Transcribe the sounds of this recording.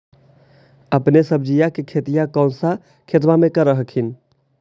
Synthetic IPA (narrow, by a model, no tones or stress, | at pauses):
əpnesəb̚d͡ʒijakekʰet̪ijakə̃ʊ̃nsa | kʰet̪̬bamẽkəɾəɦəkʰin